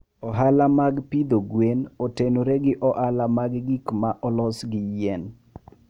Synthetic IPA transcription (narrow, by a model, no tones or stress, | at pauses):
ɔɦalamaɡpid̪oɡwenɔtenoɾeɡɪʔɔʔalamaɡɡikmaʔɔlɔsɡɪjɛn